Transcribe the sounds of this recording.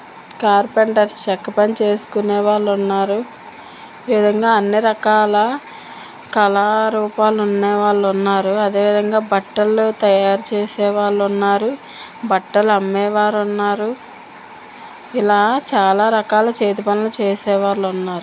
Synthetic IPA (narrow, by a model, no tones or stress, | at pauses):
kaːɾpeɳʈɐɾst͡ʃɐkːɐpɐnt͡ʃe̞ːsu̥kunɛːʋaːɭːunːaːɾu | eːʋid̪ʱɐŋɡaːɐnːiɾɐkaːlɐ | kɐlaːɾuːpaːlunːɛːʋaːɭːunːaːɾuɐd̪e̞ːʋid̪ʱɐŋɡaːbɐʈːɐlut̪ɐjaːɾut͡ʃeːsɛːʋaːɭːunːaːɾu | bɐʈːɐlɐmːɛːʋaːɾunːaːɾu | ilaːt͡ʃaːlaːɾɐkaːlɐt͡ʃeːt̪ɐpɐnɐlut͡ʃeːsɛːʋaːɭːunːaːɾu